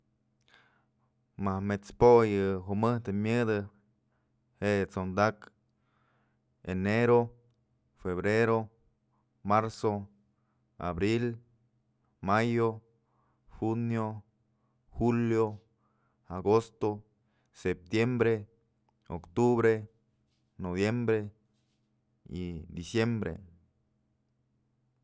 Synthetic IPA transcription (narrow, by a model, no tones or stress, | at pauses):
mahmet͡spojɨɦumɨht̪ɨmʲɨd̪ɨ | heʔt͡sond̪ak | eneɾo | feβɾeɾo | maɾso | a̰bɾil | majo | xunjo | xuljo | aɡost̪o | sep̚t̪jembɾe | o̰kt̪uβɾe | noβjembɾe | ḭd̪isjembɾḛ